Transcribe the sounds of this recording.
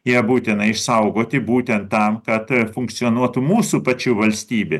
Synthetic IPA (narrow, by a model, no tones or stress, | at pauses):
jiɛbuːt̪ʲɪnɐɪʃsɐʊɡoːt̪ʲɪbuːt̪ʲɛnt̪tːɐmkɐt̪fʊŋk̚t̪sʲɪɔːnuɔt̪umuːsupɐt͡ʃʲuːʋɐlʲsʲt̪ʲiːbʲe